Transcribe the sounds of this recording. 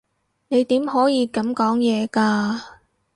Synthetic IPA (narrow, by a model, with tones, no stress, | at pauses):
ne˨˧jt̪iː˨˥mhɔː˨˥jiː˨˧kɐ˨˥mkɔː˨˥ŋjɛː˨˧kaː˧